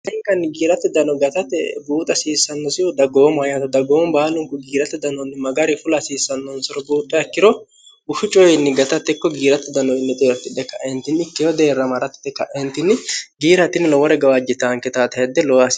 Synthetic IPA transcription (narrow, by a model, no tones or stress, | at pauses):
ɛŋkːɐnːɪɡiːɾɐt̪ːɪd̪ɐnɔɡɐt̪ɐt̪ːɛbuːt̪ʼɐsiːsːɐnːɔsɪjɔd̪ɐɡoːmajɐt̪ɐd̪ɐɡoːmbaːlʊŋkʊɡiːɾɐt̪ːɛd̪ɐnɔnːɪmɐɡɐɾɪfʊlɐsiːsːɐnːɔnsɔɾɔbuːt̪ʼːɛɐkːɪɾɔ | ʊʃʊt͡ʃʼɔjɪnːɪɡɐt̪ɐt̪ːɛkːɔɡiːɾɐt̪ːɪd̪ɐnɔjɪnːɛt̪ʼeːɾt̪ːɪd̪ɛkːɐʔɛnt̪ːɪnɪkːɛjɔd̪e̞ːrːɐmɐɾɐt̪ːɪ̥d̪ɛkːɐʔɛnt̪ːɪnːɪɡiːɾɐt̪ːɪnːɪlɔwɔɾɛɡɐwad͡ʒɪt̪aːŋkɛt̪aːt̪ɐhɛd̪ɛlɔwas